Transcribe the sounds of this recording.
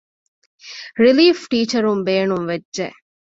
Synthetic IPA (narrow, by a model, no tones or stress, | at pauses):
ɾiliːfʈiːt͡ʃɐɾumbeːnuŋʋedʒe